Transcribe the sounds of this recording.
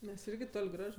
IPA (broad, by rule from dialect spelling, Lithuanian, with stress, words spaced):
ˈmʲɛs ˈɪrʲɡʲɪ ˈtoːlʲ ˈɡrɐʃ